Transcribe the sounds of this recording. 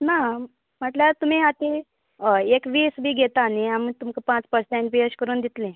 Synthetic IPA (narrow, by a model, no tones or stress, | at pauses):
na | m̤əʈljaɾt̪um̤iat̪i | ekʋiːsbʱiːɡʱet̪aniamit̪umkəpãt͡spəɾsẽɳʈbiəɕkəɾuːnd̪it̪lẽ